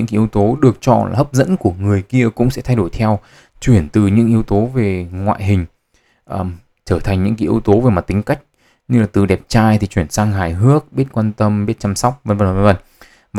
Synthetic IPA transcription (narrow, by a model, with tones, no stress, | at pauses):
ɨ̰˧˥ŋka˨˧˦i˨ə˧wt̪o˨˦ɗɨ˨˩ək̚t͡ɕɔ̰˧˩la̰ː˨˩hə˦˥p̚zə̰˧˥nku˧˩əŋɨ˨˩əjki˧əkʊ̰˧˥ŋ͡msɛ̰˧˥t̪ʰa˧jɗo˧˩jt̪ʰɛ˧w | t͡ɕwi˧˩ənt̪ɨ˨˩ɲɨ̰˧˥ŋʔi˨˦əwt̪o˨˦ve˨˩ŋwa̰ː˧˨jɦï˨˩ŋ̟ | ʔəː˨˩ | t͡ɕəː˧˩t̪ʰa˨˩ŋ̟ɲɨ̰˧˥ŋki˨˦ʔi˨˧ə˧wt̪o˨˦ve˨˩ma˨˩t̪ï˨˦ŋ̟ka˦˥jk̟̚ | ɲɨ˧laː˨˩t̪ɨ˨˩ɗɛ˨˩p̚t͡ɕaː˧jt̪ʰi˨˩t͡ɕwi˧˩ənsaː˧ŋɦaː˨˩jɦɨ˦˥ək̚ɓi˦˥ət̚kwaː˧nt̪ə˧mɓi˦˥t̚t͡ɕa˧msɔ˦˥wk͡p̚və˧nvə˧˩nvvə˧nvə˧˩n | va˨˩